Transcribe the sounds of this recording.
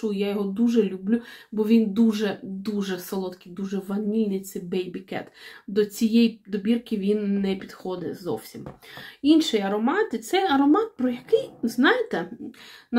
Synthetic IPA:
ujjajɔɦɔd̪uʒɛlʲʊblʲubɔʋʲind̪uʒɛd̪uʒɛsɐlˠɔt̪kijd̪uʒɛʋɐnʲilʲnɪjt̪sɛbɛjbʲikɛ̰t̪d̪ɔt͡sʲijɛjd̪ɔbʲirkɪʋʲinːɛpʲid̪xɔd̪ɛ̰zɔ̰wsʲiminʃɪjɐɾɔmɑt̪ɪt̪sɛjɐɾɔmɑt̪̚pɾɔjɐkɪjznɑjet̪ɛn

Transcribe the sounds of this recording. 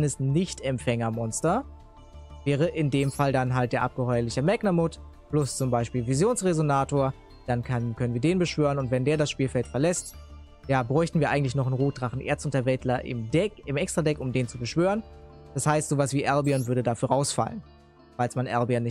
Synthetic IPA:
nəsnɪçtɛmfɛŋɐmɔnstɐ | vɛːʁəʔɪndeːmfaldanɦaltd̥eːɐʔap̚ɡ̥əhɔʏɐlɪçəmɛknamʊt | plʊst͡sʊmbaɪʃpiːlvizjoːnsʁezonaːtoːɐ | d̥ankʰankʰœnənviːɐdeːnbəʃv̥øːʁənʊntvɛndeːɐdasʃpiːlfɛltfɛɐlɛst | jaːbʁɔʏçtn̩viːɐʔaɪɡŋ̩tlɪçnɔχnʁuːd̥ʁaχn̩ʔḛːɐt͡stʊntɐvɛtlɐʔɪ̰mdɛkɪmɛkstʁ̥adɛkʊmdeːnt͡subəʃv̥øːʁən | d̥ashaɪstz̥oːvasv̥iːʔɛɐbiɔnvʏɐdədafyːɐʁaʊsfa̰lən | falsmanʔɛ̰ɐbiɔnːɪ

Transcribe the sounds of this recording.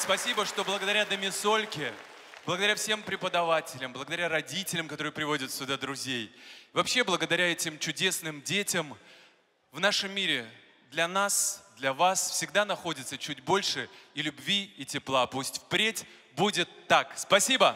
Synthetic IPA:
spɐsʲibəʂt̪o̞blˠəɡəd̪ɐɾʲad̪əmʲɪsolʲkʲɪ | b̥lˠəɡəd̪ɐɾʲafsʲe̞mpɾʲɪpəd̪ɐvatʲɪlʲəmblˠəɡəd̪ɐɾʲaɾɐdʲitʲɪlʲɪmkɐt̪o̞ɾɨjɨpɾʲɪvo̞dʲɪt̪sʲʊd̪ad̪ɾʊzʲejvɐpɕːeblˠəɡəd̪ɐɾʲaɛtʲɪmt͡ɕʊdʲe̞snɨmdʲetʲɪm | vnaʂɨmːʲiɾʲɪ | d̪lʲɐnasd̪lʲɐvasfsʲɪɡd̪anɐxo̞dʲɪt̪sət͡ɕʉd̚ʲbo̞lʲʂɨilʲʊbvʲiitʲɪplˠapusʲtʲfpɾʲetʲ | budʲɪt̪ːakspɐsʲibə

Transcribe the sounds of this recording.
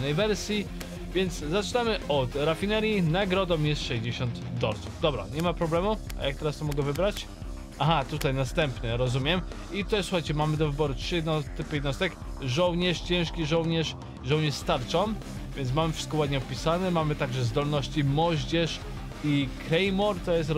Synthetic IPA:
nɛjvɛɾsʲji | vʲjɛnt̪szat͡ʂɨnamɘʔɔt̪ɾafʲinɛɾʲjinaɡɾɔd̪ɔmjɛst̪ʂɛʑd͡ʑeɕɔnd̪d̪ɔɾsuvd̪ɔbɾa̰ɲɛmapɾɔblɛmu | a̰jak̚t̪ɛɾast̪ɔmɔɡɛvɘbɾat͡ɕ | axat̪ut̪ajnast̪ɛmpɲɛɾɔzumʲjɛm | it̪ɔʂsu̥xajt͡ɕɛmamɘd̪ɔvɘbɔɾutʂɘjɛd̪nɔt̪ɘpjɛd̪nɔst̪ɛk | ʐɔwɲɛʂt͡ɕɛ̃w̃ʂkʲiʐɔwɲɛʂ | ʐɔ̃wɲɛʂst̪aɾt͡ʂɔm | vʲjɛnt̪smamɘfʂɘ̥t̪kɔwad̪ɲɛɔpʲisanɛmamɘt̪aɡʐɛzd̪ɔlnɔɕt͡ɕimɔʑd͡ʑɛʂ | ikɾɛjmɔɾt̪ɔjɛs̬t̪

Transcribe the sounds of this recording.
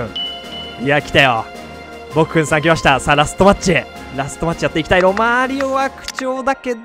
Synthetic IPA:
iakʲi̥t̪ajo̞̰ | bo̞kɯ̥kɯ̃ɰ̃sãŋkʲimaɕi̥t̪asaːɾasɨ̥t̪o̞mat͡ɕi | ɾasɨ̥t̪ːo̞mat͡ɕijat̪ːeikʲi̥t̪aiɾo̞maːɾʲioβakɯ̟̥t͡ɕo̞ːd̪ake̞d̪

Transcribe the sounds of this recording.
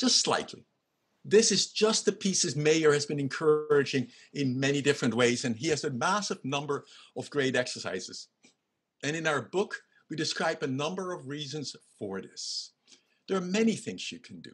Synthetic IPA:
d̥ʒ̥ʌstsla̰ɪtʰˡlḭ | ðɪsɨzd͡ʒʌst̪̚ðɨpʰisɨzmeɪə˞ɨzbɨ̃nɨ̃nkʰɜ˞ɨd͡ʒɪ̃ŋ | ɪ̃nmɛnidɪfɹɨ̃nʔ̚weɪzɨ̃niɨzɨmæsɨvnʌ̃mbə˞ʌvɡɹeɪɾɛksə˞sa̰ɪz̥ɨ̰z̥ | ɨ̃ñɨ̃naʊə˞bʊk | widɨskɹaɪbɨnʌ̃mbə˞ʌvɹizɨ̃nz̥fə˞ðɪ̰s | ðə˞ːmɛniθɪ̃ŋz̥jɨkʰn̩dɨ̰

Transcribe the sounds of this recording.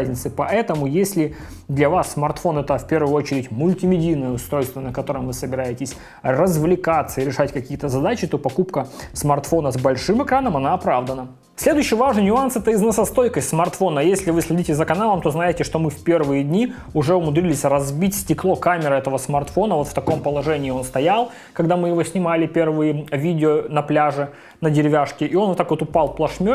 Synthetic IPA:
zʲnʲɪt̪sɨpɐɛt̪əmʊjesʲlʲɪ | d̪lʲɐvasːmɐrt̪fo̞nɛt̪əfpʲe̞rvʊjʊo̞t͡ɕɪɾʲɪtʲmʊlʲtʲɪmʲɪdʲijnəjəʊst̪ɾo̞jst̪vənəkɐt̪o̞ɾɨmvɨsəbʲɪɾajɪtʲɪsʲ | rəzvlʲɪkat̪səɪɾʲɪʂatʲkɐkʲijət̪əzɐd̪at͡ɕɪt̪o̞pɐkupkəsmɐrt̪fo̞nəzbɐlʲʂɨmɨkɾanəmɐnaɐpɾavd̪ənə | sʲlʲe̞d̪ʊjʉɕːɪjvaʐnɨnʲʊansɛt̪əɪznəsɐst̪o̞jkəsʲtʲsmɐrt̪fo̞nəjesʲlʲɪvɨsʲlʲɪdʲitʲɪzəkɐnalˠəmt̪o̞znajɪtʲɪʂt̪o̞mɨfpʲe̞rvɨjədʲnʲi | ʊʐɛʊmʊd̪ɾʲilʲɪsʲrɐzbʲitʲsʲtʲɪklˠo̞kamʲɪɾəɛt̪əvəsmɐrt̪fo̞nəvo̞t̪ft̪ɐko̞mpəlˠɐʐɛnʲɪːo̞nst̪ɐjalˠ | kɐɡd̪amɨjɪvo̞sʲnʲɪmalʲɪpʲe̞rvɨjɪvʲidʲɪonɐplʲaʐɨ | nədʲɪɾʲɪvʲaʂkʲɪʔɪo̞nvot̪akot̪ʊpɑlˠplˠɐʂmʲo

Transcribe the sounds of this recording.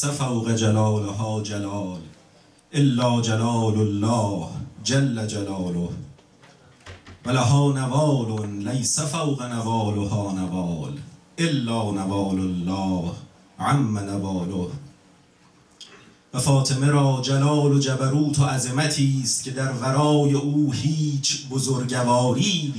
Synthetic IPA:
æfawɣed͡ʒalɒːloɦɒːd͡ʒalɒːl | ʔelːɒːd͡ʒalɒːlolːɒːhd͡ʒalːæd͡ʒalɒːloh | vælaɦɒːnavɑɒːlonlæjsæfawɣanavɒːlohɒːnavɒːlʔelːɒːnævɒːlolːɒːh | ʕamːænavɑːloh | væfɒːt̪ʰemeɾɒːd͡ʒælɒːlod͡ʒæbæɾuːt̪ʰoæzemæt̪ʰiːst̪̚cʰʲe̞d̪æɾvæɾɒːje̞ʔuːhiːt͡ʃʰbozoɾɟavɒːɾiː

